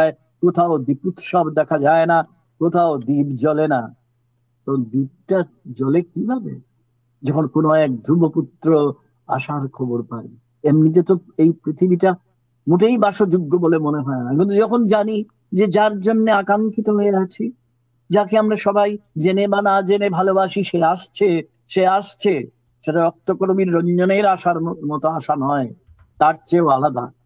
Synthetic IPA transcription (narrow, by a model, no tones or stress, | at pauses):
ae | kot̪ʰaod̪iput̪ʃɔbd̪ɛkʰad͡ʑaena | kot̪ʰaod̪ibd͡ʑɔlena | t̪ɔd̪ib̚ʈa | d͡ʑɔlekibʱabḛ | d͡ʑɔkʰonkonoɛk̚d̪ʱɾuboput̪ːɾo | a̰ʃaɾkʰɔboɾpaɾḭ | emnid͡ʑet̪oejpɾit̪ʰibiʈa | muʈejbaʃod͡ʑuɡːobolemoneɦɔenakint̪̬ud͡ʑɔkʰond͡ʑani | d͡ʑed͡ʑaɾd͡ʑonːeakaŋkit̪oɦoeat͡ɕʰi | d͡ʑakeamɾaʃɔbajd͡ʑenebanad͡ʑenebʱalobaʃiʃeaʃt͡ɕʰe | ʃeaʃt͡ɕʰe | ʃeʈaɔk̚t̪okoɾmiɾːoɲd͡ʑoneɾaʃaɾmɔt̪oaʃanɔe | t̪aɾt͡ɕeoalad̪a̰